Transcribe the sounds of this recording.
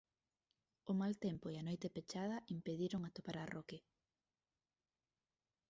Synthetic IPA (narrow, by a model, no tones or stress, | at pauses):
ʊmalt̪empʊeanojt̪epet͡ʃað̞ɐʔimpeðiɾʊŋat̪opaɾaroke